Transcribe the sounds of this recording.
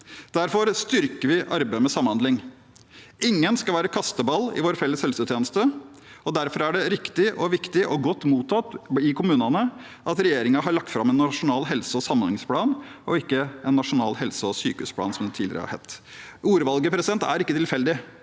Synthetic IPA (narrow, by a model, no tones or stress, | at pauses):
d̪̥æɾfɔɾst̪ʏɾkəʋɪʔɑɾbæɪəmɛsɑmːhɑnd̪lɪŋ | ɪŋːənskɑlʋæːɾəkʰɑst̪əbɑlːɪ̰ʋoːɾfɛlːəshɛlsʉt̪ʰjeːnəst̪ə | ɔd̪æɾfɔɾæɖɛɾɪkt̪ɪʔɔʋɪkt̪ɪʔɔɡɔt̪ːmuːt̪ʰɑt̪ɪkʰʊmʉːnɑnə | ʔɑt̪ɾɛjeːɾɪŋɑɦɑɾɭɑk̚t̪fɾɑmɛnːɑʂʊnɑːlɦɛlsəɔsɑmənɪŋspʰlɑːnɔɪkːəɛnːɑʂʊnɑ̰ːlɦɛlsəɔsy̰ːkəʉ̰ːspʰlɑ̰ːnsɔmd̪t̪ʰɪːlɪ̰ɾə̰ɑ̰hɛ̰t̪ːuːɾʋɑlɡəpʰɾɛsɪd̪ɛnt̪æ̰ɾɪkːət̪ʰɪlfɛld̪ɪ